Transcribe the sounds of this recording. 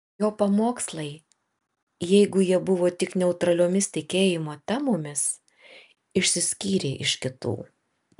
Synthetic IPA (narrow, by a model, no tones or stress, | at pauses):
joːpɐmoːkslˠɐɪ | jɛɪɡʊjiɛbʊʋoːt̪ʲɪknʲɛʊt̪ɾɐlʲoːmʲɪst̪ʲɪkʲeːjɪmoːt̪ʲæmoːmʲɪs | ɪʃʲsʲɪsʲkʲiːɾʲeːʔɪʃkʲɪt̪ṵː